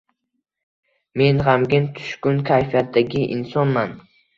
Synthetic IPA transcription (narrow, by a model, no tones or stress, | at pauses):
me̞nʁamɡʲɪnt̪ʰʊ̥ʃkʊnkʲʰajfijat̪daɡʲɪʔɪ̰nsɒnman